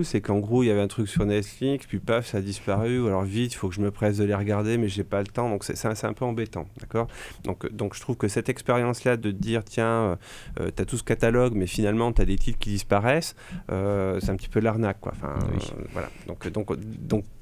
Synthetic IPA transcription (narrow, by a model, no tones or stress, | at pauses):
sɛkɑ̃ɡʁoiljavɛɛ̃t̪χyksyʁnɛt̪flikspɥipœfsaːd̪ispaʁyualɔʁvit̪i̥fokəʒəməpχɛs̬d̪əleʁəɡaʁd̪emɛʒepalət̪ɑ̃d̪ɔ̃ksɛ̰sɛ̃sɛɛ̃pøɑ̃bɛt̪ɑ̰̃d̪̥akɔːʁd̪ɔ̃kd̪ɔ̃kʒə̥t̪χuvkəsɛt̪ɛkspeʁjɑ̃slad̪əd̪iːʁt̪jɛ̃ø | ø̰t̪yat̪usə̥kat̪alɔɡmɛfinalmɑ̃t̪yad̪et̪ʰit̪kʲid̪ispaʁɛs | øsɛt̪ɛ̃pət̪i̥pølaʁnakːwa̰ɑ̰̃fɛ̰̃vwa̰la̰d̪ɔ̃kd̪ɔ̃kd̪ɔ̃k